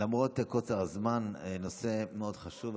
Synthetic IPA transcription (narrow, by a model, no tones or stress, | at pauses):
lamʁo̞t̪kot͡saʁazmannose̞meo̞d̥χaʃuv